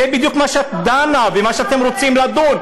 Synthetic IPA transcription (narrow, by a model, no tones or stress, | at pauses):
ebid̪jukmaʃeat̪d̪anavemaʃeat̪e̞mʁo̞t͡simlad̪od